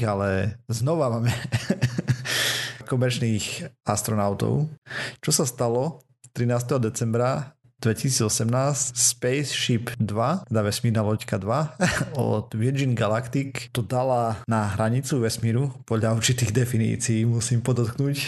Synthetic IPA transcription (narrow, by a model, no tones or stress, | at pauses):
alɛznɔʋamaːmɛ | kɔmɛɾt͡ʃniːxast̪ɾɔnaʊt̪ɔ̰ʊt͡ʃɔsast̪alɔ | t̪ɾinaːst̪ɛɦɔd̪ɛt͡sɛmbɾa | d̪̥ʋɛcisiːd͡zɔsɛmnaːscspɛjsʃipd̪ʋat̪ɛd̪aʋɛsmiːɾnaːlɔckad̪ʋaɔ̰d̪ʋiɾd͡ʒinɡalakt̪ikt̪ɔd̪alanaɦɾaɲit͡suʋɛsmiːɾupɔd̪ʎauɾt͡ʃit̪iːɣd̪ɛfinḭːt͡siiːmusiːmpɔd̪ɔt̪knuːc